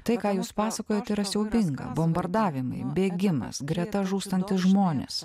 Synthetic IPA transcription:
t̪ɐɪkɑːjuːspɑːsɐkoːjot̪ʲɪːɾɐsʲɛʊbʲɪŋɡɐ̰bombɐɾd̪ɑːʋʲɪmɐ̰ɪbʲeːɡʲɪmɐ̰sɡɾʲɛt̪ɐʒuːst̪ɐnʲt̪ʲɪʒmoːnʲḛːs

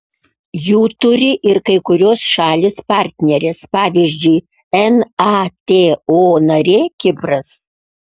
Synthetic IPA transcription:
juːt̪ʊɾʲɪʔɪɾkɐɪkʊɾʲoːsʃɑːlʲeːspɑˑɾʲt̪ʲnʲɛɾʲespɑːʋʲiːʒʲd͡ʒʲʊɪ | ɛnɑt̪ʲeːoːnɐɾʲeːkʲɪpɾɐs

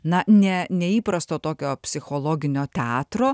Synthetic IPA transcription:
nɐnʲɛnʲɛiːpɾɐst̪oːt̪oːkʲoːpʲsʲɪxoːlˠoːɡʲɪnʲoːt̪ʲɛɑːt̪ɾoː

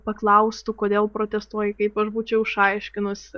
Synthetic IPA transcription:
pɐklˠɐʊst̪ʊkoːd̪ʲeːlˠpɾoːt̪ʲɛst̪uɔjɪkɐɪpɐʃbuːt͡ʃʲɛʊɪʃɐɪʃʲkʲɪnʊsʲ

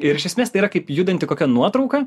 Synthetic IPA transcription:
ɪɾɪʃʲɛsʲmʲeːst̪ɐɪiːɾɐkɐɪpjud̪ɐnʲt̪ʲɪkoːkʲɛnuɔt̪ɾɐʊkɐ

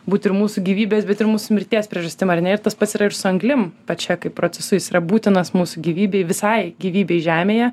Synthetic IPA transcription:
buːt̪ʲɪɾmuːsʊɡʲiːʋʲiːbʲeːsbʲɛt̪ɪɾmuːsʊmʲɪɾʲt̪ʲiɛsʲpʲɾʲiɛʒɐsʲt̪ʲɪmɐrnʲɛɪɾt̪ɐspɐt̪sʲɪɾɐɪɾsʊɐŋɡlʲɪmpɐt͡ʃʲɛkɐɪpːɾoːt͡sʲɛsʊjɪsiːɾɐbuːt̪ʲɪnɐsmuːsʊɡʲiːʋʲiːbʲɛɪʋʲɪsɐɪɡʲiːʋʲiːbʲɛɪʒʲæːmʲeːjɛ

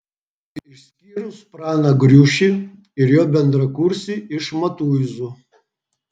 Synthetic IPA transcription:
ɪʃsʲkʲiːɾʊspraːnɐɡɾʲuːʃʲi | ɪɾjoːbʲɛnd̪ɾɐkuɾsʲiɪʂmɐt̪uːizɔ

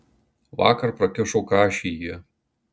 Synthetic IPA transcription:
ʋɑ̰ːkɐɾpɾɐkʲɪʃoːkɑːʃʲijiɛ

